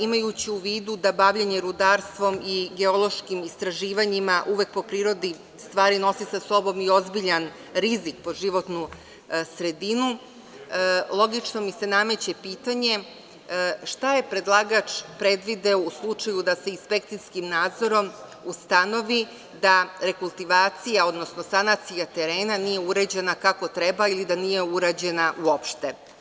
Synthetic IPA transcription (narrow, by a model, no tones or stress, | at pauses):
imajut͡ɕiuʋiːd̪ud̪abaʋʎeɲe̞ɾud̪aɾst̪ʋo̞miɡe̞o̞lˠo̞ʃkimist̪ɾaʒiːʋaɲimaʔuʋek̚po̞pɾiːɾo̞d̪i | st̪ʋaːɾino̞sisaso̞bo̞mio̞zbiʎan | ɾizik̚po̞ʒiʋo̞t̪nu | sɾe̞d̪inu | lˠo̞ɡit͡ʃno̞mise̞name̞t͡ɕe̞piːt̪aɲe̞ | ʃt̪aje̞pɾe̞d̪lˠaːɡat͡ʃpɾe̞d̪ʋid̪eouslˠut͡ʂajud̪ase̞inspe̞k̚t̪sijskimnaːd̪zo̞ɾo̞must̪ano̞ʋi | d̪aɾe̞kulˠt̪iʋaːt̪sijao̞d̪no̞snosanat̪sijat̪e̞ɾe̞ːnanije̞uɾed͡ʑe̞nakako̞t̪ɾe̞bailid̪anije̞uɾad͡ʑe̞naʔuopʃt̪e̞